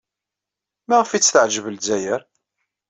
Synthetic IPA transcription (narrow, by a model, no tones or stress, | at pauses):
mæʁəfit͡sːθəʕʒəvəlzæjəɾ